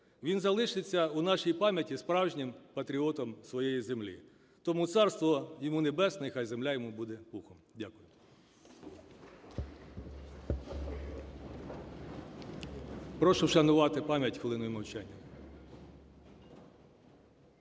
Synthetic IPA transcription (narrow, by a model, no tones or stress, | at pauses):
ʋʲinzɐlˠɪʃɪt͡sʲːɐunɑʃijipɑmʲjɐtʲispɾɑwʒnʲɪmpɐt̪ɾʲiɔt̪ɔmsʋɔjɛjizemlʲḭ | t̪ɔmut̪sɑrst̪ʋɔjɔmunebɛsnɪxɑjzemlʲajɔmubud̪ɛpuxɔmdʲakʊjʊ | pɾɔʃʊʃɐnʊʋɑt̪ɪpɑmʲjɐtʲxolˠɪnʊjʊmɐwt͡ʃɛnʲːɐ